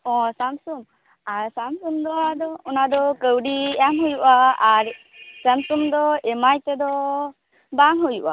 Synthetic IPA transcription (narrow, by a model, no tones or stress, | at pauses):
ɔ̃samsum | aɾsamsumd̪ɔad̪ɔɔnad̪ɔkəwɖiamɦujuʔaːɾ | samsumd̪ɔɛmajt̪ɛd̪ɔ | baŋɦujuʔa̰